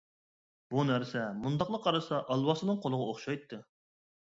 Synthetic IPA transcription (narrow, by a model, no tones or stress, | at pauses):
b̥unæɾsɛmund̪ɑqlˠəqʰɑɾɨsɑʔɑlˠwɑsɨnɨŋqʰolˠəʁɑoχʃɑjt̪ʰːɨ